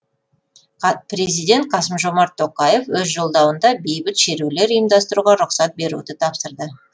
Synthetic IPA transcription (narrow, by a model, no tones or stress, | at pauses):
pɾe̞zijd̪e̞nt̪̚qʰɑsəmʒo̞mɑɾt̪ʰːo̞qɑje̞fwɵzʒo̞lˠd̪ɑwənd̪ɑbe̞jbɪt̪ʃe̞ɾewle̞ɾijəmd̪ɑst̪əɾuʁɑɾʊqsɑt̪̚be̞ɾṵd̪ɪt̪ʰɑpsəɾd̪ə